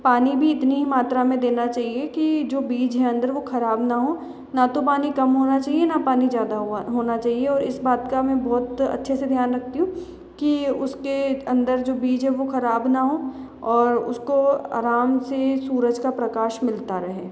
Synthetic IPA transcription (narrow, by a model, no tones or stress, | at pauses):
paːnibʱiɪt̪niɦimaːt̪ɾamẽd̪eːnat͡ʃaːɦiekid͡ʒoːbiːd͡ʒɦɛɐ̃nd̪əɾʋoxɐɾaːbnaɦoː | nat̪opaːnikɐmɦoːnat͡ʃaːɦienapaːnizjaːd̪aɦɦoːnat͡ʃaːɦieɔːɾɪsbaːt̪kamɛ̃bɔːt̪ɐ̰tːʃʰesed̪ʱjaːnɾɐk̚ʰt̪iɦũ | kiʊskeɐ̃nd̪əɾd͡ʒoːbiːd͡ʒɦɛʋoxɐɾaːbnaɦo | ɔːɾʊ̰skoa̰ːɾaːmsesuːɾəd͡ʒkapɾɐkaːʃmɪlt̪aɾɐɦeː